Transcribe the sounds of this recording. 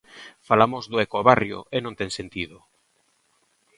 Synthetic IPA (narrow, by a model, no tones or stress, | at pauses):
falamozðoekoaβarjo̰ʔenõnt̪eŋsent̪iðʊ